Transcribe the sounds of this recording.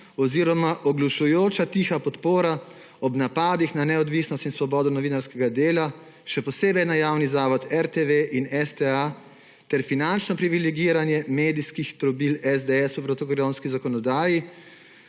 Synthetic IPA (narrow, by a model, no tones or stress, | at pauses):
ɔziːɾɔmaʔɔɡlɔʃujoːt͡ʃat̪iːxapɔt̪poːɾa | ɔbnapaːd̪ixnanɛɔd̪ʋisnɔst̪insʋɔbɔːd̪ɔnɔʋinaɾskɛɡad̪eːla | ʃɛpɔseːbɛjnajaːwnizaːʋɔt̪ɛɾt̪eʋeʔinɛst̪ɛa | t̪ɛɾfinant͡ʃnɔpɾiʋilɛɡiːɾanjɛmeːd̪iskixt̪ɾɔbilɛzd̪ɛɛsɔpɾɔt̪ɔkɾonskizakɔnɔd̪aːji